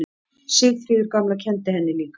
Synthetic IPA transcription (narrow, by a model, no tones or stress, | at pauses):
sɪɣθɾiːðɪɾkamlacʰɛnt̪ɪhɛnːɪliːk